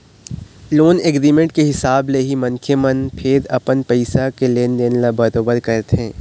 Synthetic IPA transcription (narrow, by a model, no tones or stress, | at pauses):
loːneɡɾiːmẽɳʈkeɦɪsaːbleːɦimɐnkʰemənpʰɪɾɐpənpɛɪsakeleːnd̪eːnelabɐɾoːbəɾkɐɾt̪ɦẽː